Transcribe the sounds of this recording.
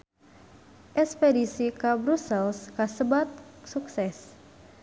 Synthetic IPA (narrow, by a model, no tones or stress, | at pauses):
ʔɛspedisikabɾusəlskasəbat̪̚suksɛs